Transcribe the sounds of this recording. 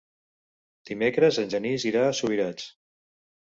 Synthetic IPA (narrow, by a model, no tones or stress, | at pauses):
d̪̥imekɾəzənʲʒəniziɾaːsuβiɾat͡ʃ